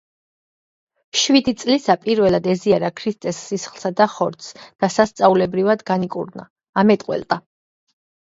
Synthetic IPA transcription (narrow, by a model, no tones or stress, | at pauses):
ʃwid̪it̪sʼlisapʼiɾvɛlˠad̪ɛziaɾakʰɾist̪ʼɛsːisχlˠsad̪aχɔɾt̪sd̪̥asast̪sʼaulɛbɾivad̪ɡanikʼṵɾna̰ː | mɛt̪ʼqʼwɛ̰lt̪ʼa